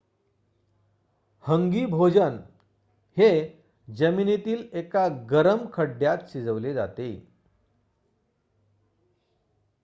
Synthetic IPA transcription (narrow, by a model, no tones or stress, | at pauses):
həŋɡiːbʱod͡ʑən | he | d͡ʑəminet̪iːlekaɡəɾəmkʰəɖjat̪ɕid͡zəʋled͡za̰t̪e